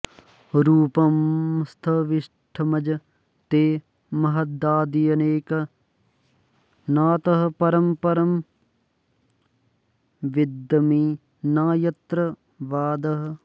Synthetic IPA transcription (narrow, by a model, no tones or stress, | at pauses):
ɾuːpɐmst̪ʰɐʋiʂ | ʈʰɐmɐd͡ʒɐ | t̪eː | mɐɦɐd̪aːd̪ijɐneːkɐ | naːt̪ɐɦɐ̆pɐɾɐmpɐɾɐm | ʋid̪ːɐmiː | naːjɐt̪ɾɐ | ʋaːd̪ɐɦɐ̆